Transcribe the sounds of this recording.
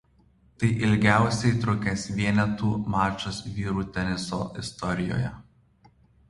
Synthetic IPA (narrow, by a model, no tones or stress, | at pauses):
t̪ɐɪʔɪlʲɡʲæˑʊsʲɛɪt̪ɾʊkʲesʋʲiɛnʲɛt̪uːmɑːt͡ʃʲosʋʲiːɾuːt̪ʲɛnʲɪso̰ːʔɪst̪ɔɾʲɪjo̰ːjɛ